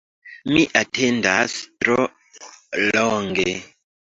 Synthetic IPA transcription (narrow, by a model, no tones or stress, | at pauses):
miʔatʰendastɾo | loŋɡe